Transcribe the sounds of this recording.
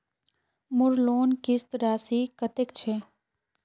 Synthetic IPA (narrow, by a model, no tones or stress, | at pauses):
mʊɾloːnkɪst̪ɾaːsiːkət̪ekt͡ʃʰeː